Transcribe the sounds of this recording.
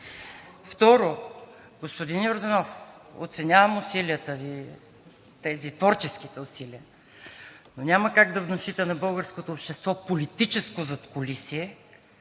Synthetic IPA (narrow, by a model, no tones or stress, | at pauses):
ft̪ɔɾo | ɡospod̪injoɾd̪ɛnɔfo̰t̪sɛnʲavəmʊsiliət̪əvi | t̪ɛzit̪vɔɾt͡ʃɛsk̟it̪ɛʊsiliə | nonʲaməkaɡd̪ɐvnoʃit̪ɛnɐbɤlˠɡəɾskot̪oːpʃt̪ɛst̪vɔpolit̪it͡ʃɛskozɐt̪kolisiɛ